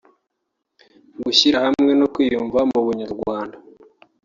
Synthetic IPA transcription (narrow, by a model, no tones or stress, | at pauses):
ɡuçiɾahamŋe̞nokwiːjuːɱvamuβuɲaɾɡwaːnda